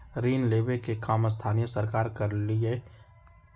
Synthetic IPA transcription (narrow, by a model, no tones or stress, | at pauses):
ɾiːnleːbekekaːməs̬t̪ʰaːnijəsəɾkaːɾkɐɾlie